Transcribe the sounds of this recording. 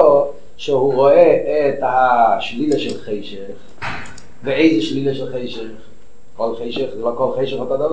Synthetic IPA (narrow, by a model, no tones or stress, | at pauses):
o | ʃɛhuʁoɛːt̪haʃlilaʃɛlχeɪʃɛχ | veeɪzəʃlilaʃɛlχejʃɛχ | kolχeɪʃɛχzɛlokolχejʃɛəχot̪od̪ava